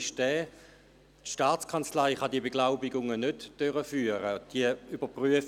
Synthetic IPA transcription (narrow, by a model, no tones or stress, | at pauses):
ʃdɛː | tʃtaːt͡skʰɑnt͡slaɪχɑdiəbeɡlaʊbɪɡʊŋənødd̥øʁəfyːəʁəd̥iəybəpʁyəf